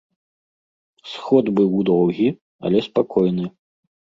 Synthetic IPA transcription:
sxɔd̪bɨwd̪ɔwɣʲi | ɐ̰lʲɛspakʰɔjnɨ

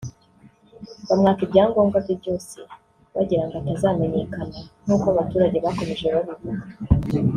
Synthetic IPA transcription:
βamŋaːkibɟaːŋɡo̞ːŋɡavibɟo̞ːse̞̰ | βa̰ɟiɾaŋɡatazaːme̞ɲe̞kanan̥uːkoaβatuːɾaɟe̞βako̞me̞ʒeβaβiβuɡa

